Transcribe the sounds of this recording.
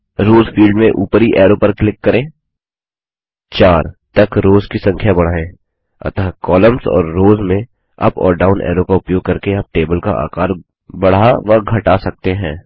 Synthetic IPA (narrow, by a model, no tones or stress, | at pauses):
ɾoːzfʰiːlɖmẽʔuːpɾiʔɛːɾopɐɾklɪkːɐɾẽː | t͡ʃaːɾt̪ɐkɾoːzkisɐ̃ŋkʰjabɐɽ̤aːẽː | ɐ̰t̪əɦkɔːləmsɔ̰ːɾːoːzmẽ | ɐ̰pɔ̰ːɾɖaːʊnʔɛ̰ːɾokaʊpjoːɡ̚kɐɾkeɐb̚ʈeːbəlka̰ʔa̰ːkaːɾ | bɐɽ̤aʋɐɡʱɐʈasɐk̚t̪eɦɛ̃ː